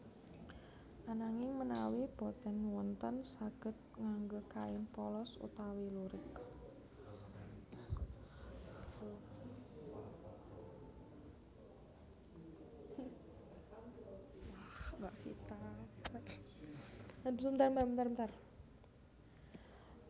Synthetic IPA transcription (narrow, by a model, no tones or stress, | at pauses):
ʔanaŋɪŋmənawib̥ɔt̪ɛnwɔnt̪ənsaɡ̥ə̤t̪̚ŋaŋɡəkaɪnpɔlɔsṵt̪awiluɾɪk | wahbaʔsit̪a | adisəmənt̪armt̪armənt̪arbənt̪ar